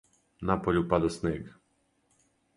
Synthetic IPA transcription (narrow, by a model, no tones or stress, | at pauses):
napɔlʲupad̪ɔsnɛɡ